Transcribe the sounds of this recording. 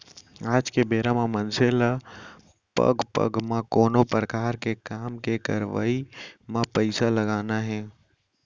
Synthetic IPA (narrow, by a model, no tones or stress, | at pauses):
aːd͡ʒkebeːɾamãmɐ̃nzela | pɐ̰ɡpɐ̰ɡmãkoːnopɾəkaːɾkekaːmkekɐ̰ɾʋa̰ːimãpəɪsalɐɡaːnaɦɛ̃ː